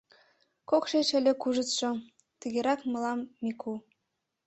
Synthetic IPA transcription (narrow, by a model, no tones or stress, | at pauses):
kokʃet͡ɕə̆lʲĕkuʒə̆t̪ʃŏ | t̪ə̆ɣeɾɑkmɤ̆lɑmːikʰu